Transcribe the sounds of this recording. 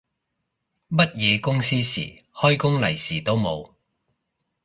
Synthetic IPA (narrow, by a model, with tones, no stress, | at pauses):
mɐ˥t̚jɛː˨˧kʊ˥ŋsiː˥sḭː˨˩hɔː˥jkʊ˥ŋlɐ˨˩jsiː˨˩t̪o˥wmo˨˧w